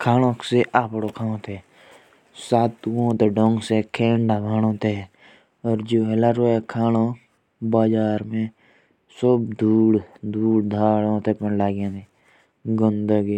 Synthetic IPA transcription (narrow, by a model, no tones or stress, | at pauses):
kʰaːñõːkseʔaːpɽokʰãːõt̪ʰe | saːt̪õt̪eɖõŋɡsekʰeːɳɖabʱaːnõːt̪e | ɔːɾd͡ʒoːɦelaɾoekʰaːnõ | baːd͡ʒaːɾmẽ | sʊbd̪uːɽd̪uːɽd̪ʱaːɽõt̪epənlaːɡjãni | ɡʊnd̪əɡi